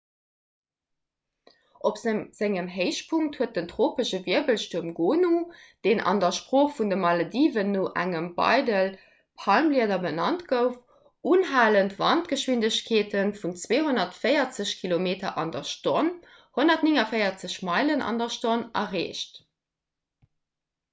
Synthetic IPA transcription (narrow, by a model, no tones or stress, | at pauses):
ʔopzz̥æŋəmɦəɪʃpʰuŋktʰhuət̚dəntʁoːpəʃəviɐbəlʃtuɐmɡoːnud̥eːnʔɑ̰ndɐʃpʀoːχfundəmɑlodiːvənːoːʔæ̰ŋəmb̥ɑ̰ɪdəl | pʰɑlmliɐdɐbənɑntɡ̥əʊf | uːnɦaːləntvɑ̰ntɡ̥əʃwindəɕkʰeːtʰənfunt͡sweːɦonɐtfəɪɐt͡səɕkʰilomeːtɐʔɑndɐʃton | honɐtnɪŋɐfəɪɐt͡səɕmɑɪlənɑ̰ndɐʃtonɐ̰ʁḛːʃt